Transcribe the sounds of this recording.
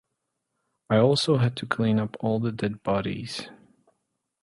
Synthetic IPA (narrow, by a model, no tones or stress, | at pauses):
aɪɔlˠsoʊɦɨd̚tʰɨkʰl̥ĩnʌpʰɔlˠðədɛd̚bɑɾḭz̥